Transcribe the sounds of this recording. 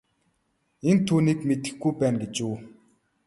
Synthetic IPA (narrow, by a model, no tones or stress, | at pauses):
ent̪ʰuːniːkmet̪ɘ̥̆xɡujpæːnɡet͡ɕuː